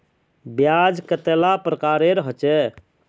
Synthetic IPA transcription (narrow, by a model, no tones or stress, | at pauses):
bjad͡ʒkət̪ɛlapɾəkaɾeɾəɦt͡ʃɛ